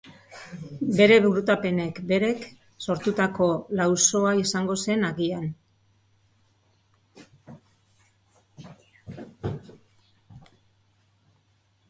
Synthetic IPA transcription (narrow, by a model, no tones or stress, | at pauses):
be̞ɾe̞βuɾut̪ape̞ne̞kbe̞ɾe̞k | so̞ɾt̪ut̪ako̞lawso̞aisaŋɡo̞se̞naɣian